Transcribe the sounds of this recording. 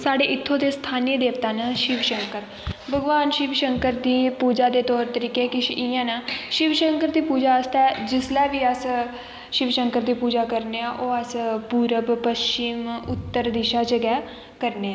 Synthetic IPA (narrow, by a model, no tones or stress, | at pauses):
saːɖeːʔɪt̪ʰːõːd̪eːst̪ʰaːnid̪eːʋt̪aːnəʃɪʋʃəŋkəɾ | bəɡʋaːnʃɪʋʃəŋkəɾd̪iːpuːd͡ʒaːd̪eːt̪ɔːɾt̪əɾiːkeːkɪʃʔiːãːnəːʃɪʋʃəŋkəɾd̪iːpuːd͡ʒaːəst̪ɛːd͡ʒɪslɛːʋiːəs | ʃɪʋʃəŋkəɾd̪iːpuːd͡ʒaːkəɾneːaːʔoːəspuːɾəbpəst͡ʃɪmʊt̪ːəɾd̪eːʃaːt͡ʃəɡɛː | kəɾneːɛː